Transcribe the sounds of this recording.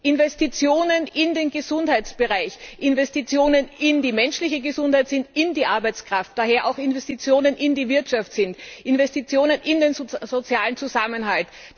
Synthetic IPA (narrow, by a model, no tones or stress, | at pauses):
ʔɪnvɛstit͡sjoːnənɪndeːnɡəzʊnthaɪtt͡sb̥əʁaɪçʔɪnvɛstit͡sjoːnənɪndiːmɛnʃlɪçəɡəzʊnthaɪtz̥ɪntɪndiːʔaɐbaɪt͡skʁ̥aft̚d̥aɦeːɐʔaʊxɪnvɛstit͡sjoːnənʔɪndiːvɪɐtʃaftz̥ɪntʔɪnvɛstit͡sjoːnənʔɪndeːnzot͡sjaːlənt͡suzamənɦalt